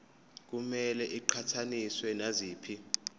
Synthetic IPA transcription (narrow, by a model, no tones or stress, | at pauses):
k̬umɛlɛʔiǃʰatʰaniswɛnaziːpʰi